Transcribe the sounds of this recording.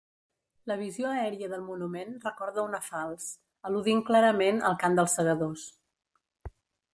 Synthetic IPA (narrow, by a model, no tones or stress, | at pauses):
ləβ̞izioəɛɾiəðəlˠmunumenrəkɔɾðəunəfalˠs | əluðiŋklaɾəmenə̰lˠkamd̪əlˠsːəɣəðos